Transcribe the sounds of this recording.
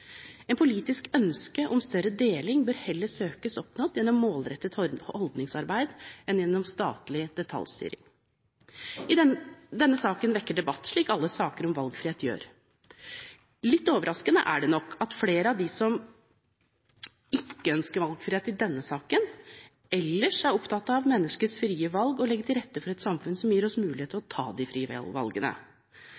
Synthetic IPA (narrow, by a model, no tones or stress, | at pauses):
ɛːnpʰʊliːt̪ɪskœnskəʔɔmst̪œɾəd̪eːlɪŋbøːɾhɛlːəʂøːkəsɔpnɔd̪jɛnːɔmːoːlɾɛt̪ːət̪ɔld̪nɪŋsɑɾbæɪd̪ɛnjɛnːɔmst̪ɑ̰ːt̪lɪd̪ɛt̪ʰɑ̰lst̪y̰ːɾɪ̰ŋ | ɪd̪ɛnːəsɑːkənʋɛkːəɖɛbɑt̪ːʂɭiːkɑlːəsɑːkəɾɔmʋɑlɡfɾɪheːt̪jø̰ːɾ | lɪt̪ːoːʋəɾɑskənə̰ʔæ̰ɖɛnɔkːɑt̪fleːɾəɑʋd̪ɪsɔm | ɪkːəœnskəɾʋɑlɡfɾɪːeːt̪ɪd̪ɛnːəsɑːkən | ɛlːəʂæɾɔpt̪ʰɑt̪ːɑʋmɛnːəʂkəsfɾiːəʋɑlɡɔlɛɡːəʈ̪ʰɪlɾɛt̪ːəfɔɾɛt̪sɑmfʉnsɔmjiːɾɔsmʉːlɪeːt̪ʰːɪlɔt̪ʰɑ̰ːd̪ɪfɾiːə̰ʋɑ̰lɡənə̰